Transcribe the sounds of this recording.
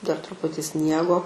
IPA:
dɐr trʊˈpʊtʲɪ ˈsʲnʲiɛɡoː

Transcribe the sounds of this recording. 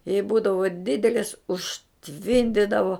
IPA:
jɛɪ ˈbuːdɐʋoː ˈdʲɪdʲɛlʲɪs ʊʃʲˈtʲʋʲɪnʲdʲɪdɐʋoː

